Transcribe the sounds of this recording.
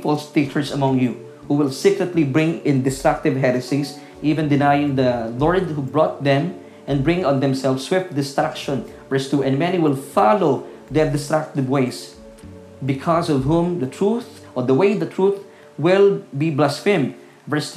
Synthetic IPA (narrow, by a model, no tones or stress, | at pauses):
pɔlst̪it͡ʃə˞sɐmʌ̃ŋju | huwɪlsikɹɛt̪libɹɪ̃ŋɪ̃nd̪ɪst̪ɹak̚t̪ɪvɦɛɾɨsis | ʔivɛ̃nd̪ɪnajɪ̃ŋd̪əlɔɹd̪̚hubɹɔt̪̚ðɛ̃m | ʔɛ̃nbɹɪ̃ŋɔ̃nðɛ̃msɛlfsːwɪft̪̚d̪ɪst̪ɹakʃɔ̃n | vɛɹst̪uʔɛ̃nmɛniwɪlˠfaloʊ | ðɛɹd̪ɪst̪ɹak̚t̪ɪvweɪs | bɪkʰɔsɔvhũmd̪ɐt̪ʰɹuθ | ʔɔd̪əweɪd̪ɐt̪ʰɹuθ | wɪlbiblasfɪ̃m | vɛ˞s